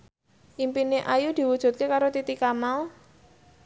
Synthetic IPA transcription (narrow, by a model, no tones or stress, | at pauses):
ʔimpineʔajud̪̥i̤wud̥ʒ̥ṳt̪̚kekaɾot̪it̪ikamal